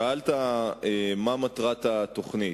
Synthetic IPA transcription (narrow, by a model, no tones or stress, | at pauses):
aalt̪aemamat̪ʁat̪at̪o̞χni